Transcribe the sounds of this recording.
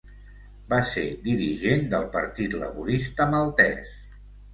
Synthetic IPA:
based̪iɾiʒend̪əlˠpəɾt̪it̪lə̰βuɾist̪əməlˠt̪ɛ̰s

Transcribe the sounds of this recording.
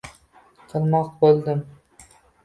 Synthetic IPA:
qʰɨlˠmɒq̚bolˠd̪ɪm

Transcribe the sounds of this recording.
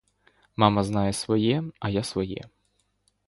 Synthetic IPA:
mɑmɐznɑjɛsʋɔjɛɐjasʋɔjɛ̰

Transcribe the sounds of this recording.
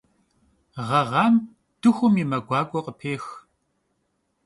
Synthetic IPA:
ʁɐʁɑːm | d̥ɨxʷʊmimɐɡʷɑːɡʷʼɔqʼəpʰeːx

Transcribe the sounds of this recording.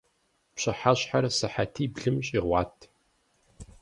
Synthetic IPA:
pɕʼɐħaɕħarsɨħatʰiːbɮɨmɕʼiʁʷɑːtʰ

